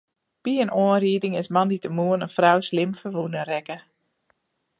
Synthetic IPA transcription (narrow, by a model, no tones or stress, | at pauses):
piənoənriədɪŋɪsmɑnditəmuənənfrawslɪmfəʋunərɛkə